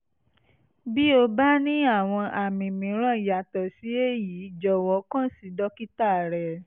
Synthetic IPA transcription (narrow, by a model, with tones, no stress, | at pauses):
bi˦o˧ba˦nĩ˦a˦˨w̃ɔ̃˧ʔa˨mĩ˨mĩ˨˦ɾ̃ã˦˨i˨ja˨tɔ˨si˨˦e˦ji˨˦˨d͡ʒɔ˧˨wɔ˧˦kã˦si˨˦dɔ˦ki˦ta˦˨ɾɛ˨